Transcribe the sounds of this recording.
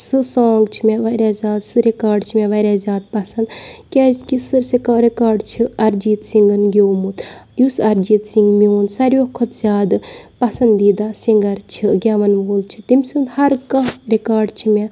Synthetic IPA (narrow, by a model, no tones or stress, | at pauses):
sɨsaːŋɡt͡ʃʰimʲẽʋɐɾʲaːzʲaːd̪sɨɾekaːɾɖt͡ʃʰimʲẽʋɐɾʲjaːzjaːd̪̚pɐsɐnd̪kʲezʲkisɨɾsekaɾekaːɾɖt͡ʃʰiɐɾd͡ʒiːt̪siŋɡɐnɡʲewmut̪jusɐɾd͡ʒiːt̪siŋɡmioːnsɐɾokʰɐt̪z̥ʲjaːd̪pɐsɐnd̪iːd̪aːsiŋɡɐɾt͡ʃʰiɡʲaʋɐnʋoːlt͡ʃʰi̥t̪imʲsind̪hɐɾkɐ̃ɾekaːɾɖt͡ʃʰimʲe